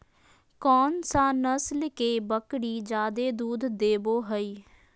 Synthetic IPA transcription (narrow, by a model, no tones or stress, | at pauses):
kɔːnsaːnəslkeːbəkɽiːd͡ʒaːd̪eːd̪uːd̪d̪eːboːɦəiː